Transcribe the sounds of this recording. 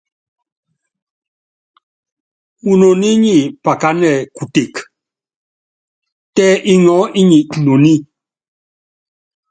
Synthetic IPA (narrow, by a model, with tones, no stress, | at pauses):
u˨no˨ni˦ɲi˦˨pa˨ka˦nɛ˦˨ku˨te˨k | tɛ˦ʔi˦ŋɔ˨˦i˦ɲi˨ʔno˨ni˦